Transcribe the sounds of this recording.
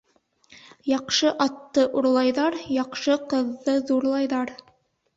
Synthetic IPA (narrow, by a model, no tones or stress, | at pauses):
jɑqʃɤʔɑt̪ːɤʔuɾlˠɑjðɑɾjɑqʃɤqɤ̆ðːɤðuɾlˠɑjðɑɾ